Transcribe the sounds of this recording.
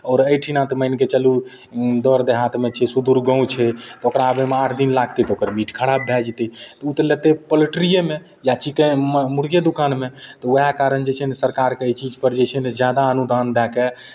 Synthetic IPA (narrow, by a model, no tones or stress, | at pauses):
ɔːɾəjʈʰinãt̪məjnket͡ʃəlu | d̪ɔɾd̪eɦat̪met͡ʃʰɛsud̪uɾɡə̃ũt͡ʃʰɛt̪ɔokɾaːbemeaʈʰd̪inlaɡt̪it̪ɔokəɾmiʈkʰəɽabbʱɛd͡ʒt̪it̪ɔut̪əlet̪epəliʈɾijeme | jat͡ʃikemmuɾɡjed̪ukanmet̪ɔojakaɾənd͡ʒɛt͡ʃʰɛnesəɾkaɾkeət͡ʃid͡ʒpəɾd͡ʒɛt͡ʃʰɛned͡ʒjad̪aənud̪ʱand̪ɛke